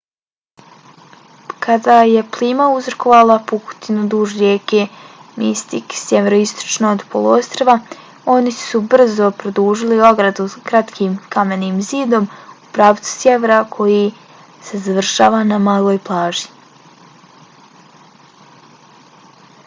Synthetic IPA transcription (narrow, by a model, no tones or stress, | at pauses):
kʰad̪aːje̞plˠiːmauzɾoko̞ʋalˠapuku̥t̪inud̪uːʒɾjeːkemist̪iksjeʋeɾoist̪o̥t͡ʃnood̪pʰoloost̪ɾoʋa | o̞nisubr̩zo̞pɾod̪uːʒilio̞ɡɾad̪ukɾat̪kʰiːmkame̞niːmziːd̪o̞mupɾaːʋt̪su̥sjeʋeɾakʰo̞ji | se̞zaʋr̩ʃaːʋanamaːlˠo̞ːjplˠaːʒi̥